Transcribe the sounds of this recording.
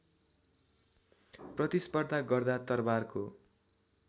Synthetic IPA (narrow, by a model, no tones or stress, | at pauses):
prʌt̪ispʌrd̪ʱaɡʌrd̪at̪ʌrbarko